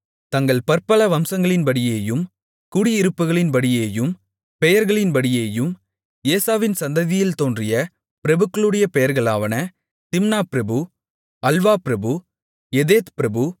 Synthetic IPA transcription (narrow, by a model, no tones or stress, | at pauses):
t̪ɐŋɡɐɭpɐɾpɐlɐʋɐmsɐŋɡɐɭɪnpɐɽɪjeːjɯm | kʊɽɪɪɾɯpːɯɣɐɭɪnpɐɽɪjeːjɯm | pɛjɐɾɣɐɭɪnpɐɽɪjeːjɯm | eːsaːʋɪnsɐnd̪ɐðɪjɪlt̪oːndrɪjɐ | pɪɾɐbɯkːɐɭɯɽɐjɐpɛjɐɾɣɐɭaːʋɐnɐ | t̪ɪmnaːpɪɾɐbɯ | ɐlʋaːpɪɾɐbɯ | ɛðeːt̪pɪɾɐbɯ